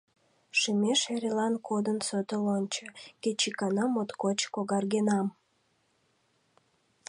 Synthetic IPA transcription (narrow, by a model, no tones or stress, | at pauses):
ʃimʲeʃeɾʲelɑnkʰod̪ənsøt̪əlonʲt͡ɕəket͡ɕikɑnɑmot̪kot͡ɕkoɣɑrɡenɑm